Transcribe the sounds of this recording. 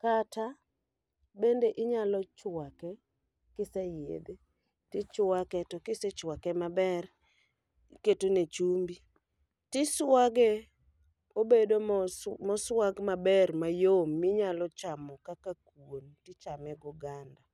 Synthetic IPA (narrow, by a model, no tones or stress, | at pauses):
kata | bendeʔɪɲalɔt͡ʃwakɛ | kɪsejḛd̪e | tɪt͡ʃwakɛtɔkɪset͡ʃwakɛmabɛr | ketonet͡ʃumbi | tɪswaɡe | obedomɔswaɡmabɛrmajomːiɲalɔt͡ʃamɔkakakwontɪt͡ʃamɛɡɔɡanda